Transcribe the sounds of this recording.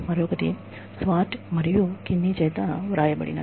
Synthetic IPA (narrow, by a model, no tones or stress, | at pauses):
mɐɾoːkɐʈ̪ḭ | sʋaːʈmɐɾijukinːit͡ʃɐjt̪aʋɐɾaːjɐbɐ̰ɽḭnɐ̰